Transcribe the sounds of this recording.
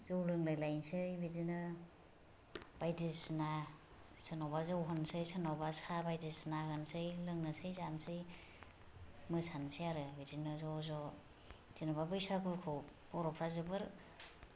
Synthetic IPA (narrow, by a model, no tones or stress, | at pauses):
zɔwlɯŋlɯjlajnsɯjbidinɯ | b̥ajdisna | sɯnawbazawɦɯnsɯjsanawbasabajdisnaɡɯnsɯjlɯŋnɯsɯjzansɯj | mɯsʰansijaɾɯbidinɯzɔzɔ | z̥inababɯjsakukʰɔpɔɾɔpʰɾazɯbɯɾ